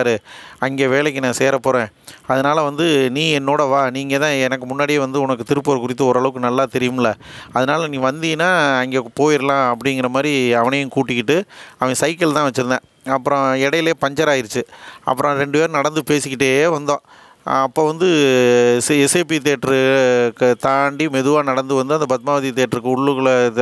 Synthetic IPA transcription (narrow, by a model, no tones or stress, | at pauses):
ɾɯɐŋɡeːʋeːɭɐkːɯnãːseːɾɐpːoːɾẽːɐðɯnaːlɐʋɐnd̪ɯnĩːɛnːoːɽɐʋaːniːŋɡɐt̪ãːɛnɐkːɯmʊnːaːɽɪjeːʋɐnd̪ɯʊnɐkːɯt̪ɪɾɯpːoːɾkʊɾɪt̪̬ːɯɔɾɯɐɭɐʋɯkːɯnɐlːaːt̪ɛɾɪjɯmɪlːɐ | ɐðɯnaːlɐnĩːʋɐnd̪iːnaːɐŋɡeːpoːjɪɾlãːɐpːɐɽɪŋɡɪɾɐmaːd̪ɾiɐʋɐnɐjʊ̃kuːʈːɪkːɪʈːɯɐʋɐ̃sɐɪkːɐɭt̪ãːʋɐt͡ʃːɯɾɯnd̪ẽ | ɐpːɯɾõɛɽɐjɪleːpɐɲd͡ʒɐɾaːjɪɾɯt͡ʃːɯʔɐ̰pːɯɾʔõɾɛɳɖɯpeːɾɯnɐɽɐnd̪ɯpeːsɪkːɪʈːeːʋɐnd̪õː | ɐpːoːʋɐnd̪ɯ | ɛseːpit̪̬eːʈːɾɯ | t̪aːɳɖimɛðɯʋaːnɐɽɐnd̪ɯʋɐnd̪ɯɐnd̪ɐbɐt̪̚maːʋɐðit̪eːʈːɐɾɯkːɯʊɭːɯɣɐɭ